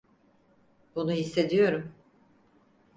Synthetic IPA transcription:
bunuɦisːe̞d̪ijo̞ɾum

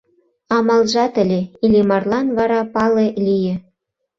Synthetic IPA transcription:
ɑmɑlʒɑt̪ə̆lʲeilʲemɑrlɑnβɑɾɑpɑlelʲijĕ

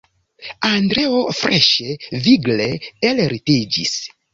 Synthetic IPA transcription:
andɾeofɾeʃeviɡleelɾited͡ʒḭs

